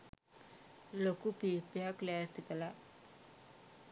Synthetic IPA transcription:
lokupipjaklaːst̪ikɐla

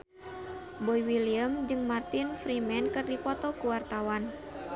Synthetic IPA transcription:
bɔjwiliəmd͡ʒɨŋmart̪infɾimɛnkɨrdipɔt̪ɔkuwart̪awan

